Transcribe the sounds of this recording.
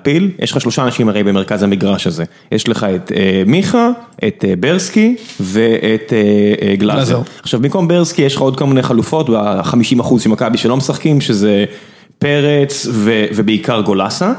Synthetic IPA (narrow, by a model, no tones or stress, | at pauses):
piljʔḛʃχaʃlo̞ʃaːnaʃimaʁejbemekazamiɡʁaʃaze̞ | jeʃleχaet̪emiχaʔet̪ebeʁskive̞ʔet̪eɡlazaχʃavbimko̞mbeʁskijeʃlχaod̪̚ko̞lmineχalufo̞tbaχamiʃimaχuzʃimakabiʃelomesaχkimʃeze | pe̞ʁet͡svevebeikaʁɡo̞lasa